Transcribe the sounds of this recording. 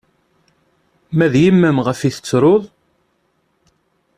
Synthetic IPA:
mæðjəmːəmʁəfiθə̥t͡sːɾˤoðˤ

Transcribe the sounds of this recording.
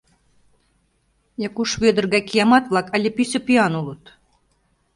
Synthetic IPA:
jɑkuʃβed̪ə̆rɣækijɑmɑt̪vlˠɑkælʲepisʲɘ̆piɑnulˠɤ̆t̪

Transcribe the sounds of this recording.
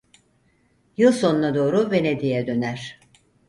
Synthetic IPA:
jɯlˠso̞nunad̪o̞ːɾuve̞ned̪ijɛd̪ø̞næɾ̥

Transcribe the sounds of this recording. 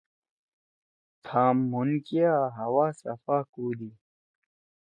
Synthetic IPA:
t̪ʰaːmːunkijaɦɐwaːsɐ̰faːkuːd̪i

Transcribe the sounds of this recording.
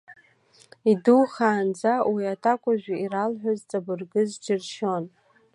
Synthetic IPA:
iduwχaːnd͡zawiatʰʼakʷʼaʒᶣʷaiɾalħʷᶣozt͡sʼabɨrɡɨzd͡ʒɪrʃo̞n

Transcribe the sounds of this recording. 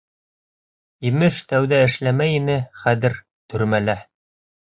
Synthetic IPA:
imɘʃt̪æwðæɘ̆ʃlæmæjinɘχæðɘɾ | t̪ʰɵ̆ɾmælæ

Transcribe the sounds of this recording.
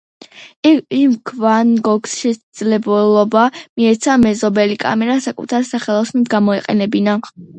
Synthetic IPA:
ɛimkʰvanɡɔɡsʃɛsd̪zlɛblˠɔbamiɛt̪sʰamɛzɔbɛlikʼa̰mɛɾasakʼṵt̪ʰaɾsaχɛlˠɔsnɛd̪ɡamɔɛqʼɛ̰nɛbina

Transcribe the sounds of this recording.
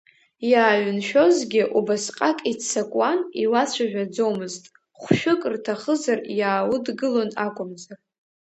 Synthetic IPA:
jaːɥʏnʃᶣozɡʲɪʔubasqʼakʼit͡sʰːakʷʼaniwat͡ɕʷʰaʒᶣad͡zo̞wmɨztʼ | χʷʃᶣʊkʼrtʰaχəzarjaːwʊdɡɨlo̞nakʷʼʊmzar

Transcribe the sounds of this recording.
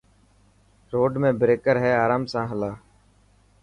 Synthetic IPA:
ɾoːɖmẽːbɾeːkəɾɦɛːaːɾaːmsãːɦəlaː

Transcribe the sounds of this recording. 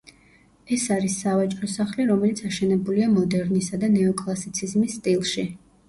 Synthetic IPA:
ɛsaɾisːavat͡ʃʼɾɔsaχliɾɔmɛlit̪sʰaʃɛnɛbuliamɔd̪ɛɾnisad̪anɛɔkʼlˠasit̪sʰizmisːt̪ʼilˠʃi

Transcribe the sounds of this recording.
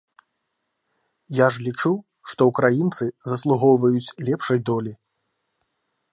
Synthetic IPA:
jaʐlʲit͡ʂuw | ʂt̪ɔukɾajint̪sɨzɐslˠuɣɔwvɐjut͡sʲlʲɛpʂɐjd̪ɔlʲi

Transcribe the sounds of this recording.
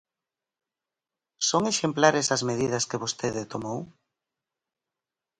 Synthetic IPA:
soŋeʃemplaɾɪsɐzmeðiðɐskɪβost̪eðɪt̪omow

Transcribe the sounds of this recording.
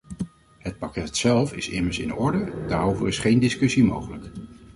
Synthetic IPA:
ɦət̚pɑkɛtsɛlˠfɪsɪməɹsɪ̰nɔɹdəda̰ːɾowvəɹɪsχejndɪskɵsimo̰wχələk

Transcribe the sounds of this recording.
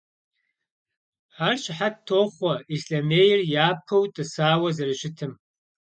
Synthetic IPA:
ħarɕʼɪħattʰoːχʷɐisɬɐmeːjɪrjaːpʰɐwtʼɨsaːwɐzɐrɨɕɪtʰɨm

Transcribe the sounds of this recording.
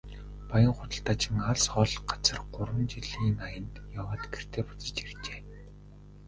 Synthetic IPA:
pajə̆ŋχʊt̪ə̆ɬt̪aːt͡ɕɪ̆ŋaɮsχɔːɮɢḁt͡sə̆rɢʊrwə̆nt͡ɕiɮiːŋajə̆nt̪jawaːt̪ɡer̥t̪ʰeːpʊ̥t͡sə̆t͡ɕirt͡ɕeː

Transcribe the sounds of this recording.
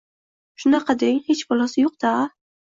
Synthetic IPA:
ʃʊnɑqʰɑd̪eŋhet͡ʃbɒlˠasɪjoq̚d̪̥a

